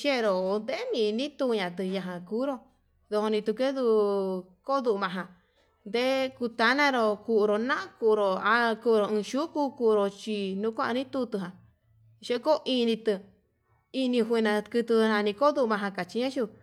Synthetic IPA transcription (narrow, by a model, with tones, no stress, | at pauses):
ʃe˦˧ɾo˨˧nd̪e˦nĩ˧˨˧nĩ˦t̪u˧ɲã˨˧t̪ɨ˧jã˧ɦã˧ku˦ɾo˧ | ðo˧ho˧nĩ˧t̪u˧ke˦ðu˧ | ko˦ðu˧ʔu˧mã˧ɦã˧ | nd̪e˦ku˧t̪a˧˦nã˦ɾo˧ku˧ʔɾo˧nã˦˧ku˧˨˧ɾo˨a˧ku˧ɾo˨ɨ̃˧ʃu˦ku˧ku˧ɾo˧t͡ʃi˧nũ˧˦kʷã˦ʔa˧nĩ˦t̪u˧t̪ɨ˧ɦã˨ | ʃe˦ko˦ʔi˧nĩ˧t̪ɨ˧ | i˧nĩ˧ɦʷi˧nã˧kɨ˧t̪u˧nã˧nĩ˧ko˦ðu˦˧ʔmã˧ɦã˧ka˨t͡ʃi˧ɲã˦ʃu˦˧